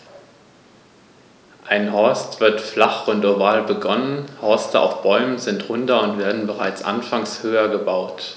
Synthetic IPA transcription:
ʔaɪnɦɔɐstv̥ɪɐtflaχʊntoɐvaːlbəɡɔnənhɔɐstəa̰ʊfb̥ɔʏmənzɪntʁʊntɐʊntv̥eːɐdn̩bəʁaɪt͡sʔa̰nfaŋshøːɐɡəbaʊt

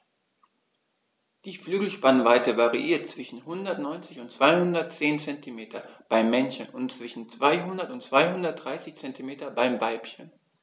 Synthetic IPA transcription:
d̥iːflyːɡl̩ʃpanvaɪtəvaʁiʔiːɐt̚t͡sv̥ɪʃn̩hʊndɐtnɔʏnt͡sɪçʊntt͡sv̥aɪhʊndɐt̚t͡seːnt͡sɛntimeːtʰɐ̰b̥aɪmːɛnçənʊnt͡sv̥ɪʃn̩t͡sv̥aɪɦʊndɐtʊntt͡sv̥aɪhʊndɐt̚d̥ʁaɪsɪçt͡sɛntʰimeːtɐbaɪmvaɪpçən

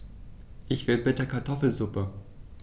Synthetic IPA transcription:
ʔɪçv̥ɪlbɪtəɐkʰaɐtʰɔfl̩zʊpə

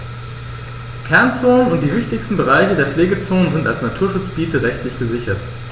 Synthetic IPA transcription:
kʰɛɐnt͡soːnənʊnt̚d̥iːvɪçtɪçstn̩bəʁaɪçədeːɐfleːɡət͡soːnənzɪnta̰lsnatʰuːɐʃʊt͡sb̥iːtəʁɛçtlɪçɡ̥əzɪçɐt

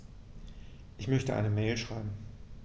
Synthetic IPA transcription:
ʔɪçmœçtəʔa̰ɪnəmɛːlʃʁ̥aɪbm̩

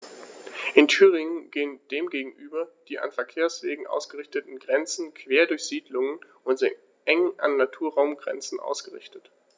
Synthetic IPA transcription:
ʔɪntʰyːʁ̞ɪŋənɡ̥eːənd̥eːmɡeːɡŋ̩ʔyːbɐd̥iːʔa̰nfɛɐkʰeːɐsv̥eːɡŋ̩ʔa̰ʊsɡ̥əʁɪçtətn̩ɡʁɛnt͡sn̩kʰv̥eːɐdʊɐçz̥iːdlʊŋən | ʔʊntz̥ɪ | ʔɛŋʔa̰nːatʰuːɐʁaʊmɡʁɛ̰nt͡sn̩ʔa̰ʊsɡ̥əʁɪ̰çtət

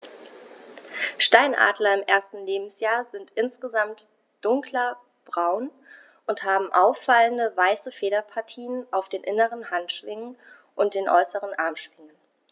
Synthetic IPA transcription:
ʃtaɪnʔa̰ːdlɐɪmʔeːɐstn̩leːbm̩sjaːɐzɪntʔɪnsɡ̥əzamt | d̥ʊŋklɐ | b̥ʁaʊn | ʔʊnthaːbm̩ʔaʊfːaləndəvaɪsəfeːɾɐpʰaɐtʰiːənʔaʊfd̥eːnʔɪnəʁənhantʃv̥ɪŋən | ʔʊnt̚d̥eːnʔɔ̰ʏsəʁənʔaɐmʃv̥ɪŋən

